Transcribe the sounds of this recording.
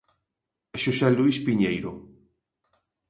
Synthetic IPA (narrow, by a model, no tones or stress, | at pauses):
ʃusɛluispiɲejɾo